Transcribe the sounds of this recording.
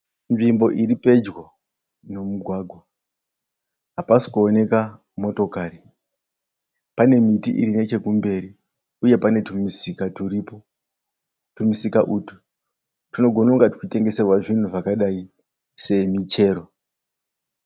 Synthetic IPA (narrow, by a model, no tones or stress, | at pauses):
nʐimbo̞ʔiripe̞d͡ʒɣo | no̞muɡʱwaːɡʱwa | ɦapasi̥kuone̞ka | mo̞to̞kaːri | pane̞mitiʔḭɾine̞t͡ʃe̞kumbe̞ɾi | uje̞pane̞tumisikatuɾipo | tumisikaʔutu̥ | tino̞ɡʱo̞nauŋɡati̥kute̞ŋɡe̞serwaʐin̤uʐakaɗai | se̞mit͡ʃe̞ːɾo̞